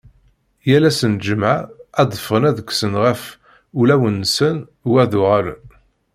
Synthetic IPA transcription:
jælæsənd͡ʒəmʕaæd̪ˤəfənæðəkʷːsənʁæf | ulæwənːsən | wæðʊʁælə̰n

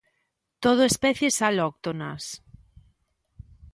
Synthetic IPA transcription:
t̪oð̞oespɛθjesalok̚t̪onas

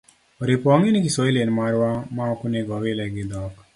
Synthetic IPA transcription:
ɾepãːŋɡenikisoilenmaːɾwaːmãːkʊneːɡɔʋeːlɛɡeːd̪ɔːk

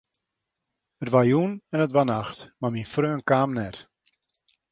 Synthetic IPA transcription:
ətʋajunɛnətʋanaxtmaminfrøːənkaːmnɛt

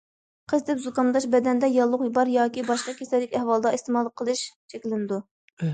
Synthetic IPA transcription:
qʰəzd̪ɛpzukɑnd̪ɑʃbɛd̪ɛnd̪ɛjɑlˠːʊqbɑɾjɑːkʲibɑʃqɑkʲʰesɛlːɪkʲɛhwɑlˠd̪ɑist̪emɑlˠqʰəlˠɨʃt͡ʃʰɛkʲlɪnɪd̪u

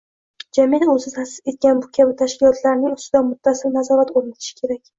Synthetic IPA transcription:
d͡ʒamijaozɪzasɪ̥ze̞t̪̚ɡʲanbʊkʲʰabɪt̪ʰaʃkʲɪlɒt̪ʰlaɾnɪŋʊst̪ɪd̪anmʊt̪ʰːasɪlnazɒɾat̪oɾnat̪ʰɪ̥ʃɪ̥kʲʰe̞ɾakʲ

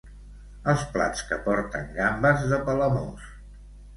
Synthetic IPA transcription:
əlˠspla̰t͡skəpɔɾt̪ə̰ŋɡambəzðəpələmo̰s

